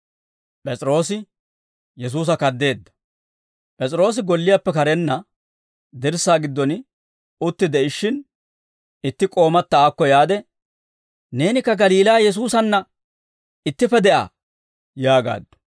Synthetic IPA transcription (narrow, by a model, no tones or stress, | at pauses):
pʼɛt͡sʼɪɾo̞ːsɪ | jɛs̬uːs̬ɐkɐd̪ːe̞ːd̪ːɐ̥ | pʼɛt͡sʼɪɾo̞ːs̬ɪɡɔlːɪjapːɛkɐɾɛnːɐ | d̪ɪɾsaːɡɪd̪ːɔn | ʊt̪ːɪd̪ɛɪʃːɪn | ɪt̪ːɪkʼo̞ːmɐt̪ːɐaːkːɔjaːd̪ɛ | ne̞ːnɪkːɐɡɐliːlaːjɛs̬uːsɐnːɐ | ɪt̪ːɪfɛd̪ɛʔa̰ː | jaːɡa̰ːd̪ːʊ̥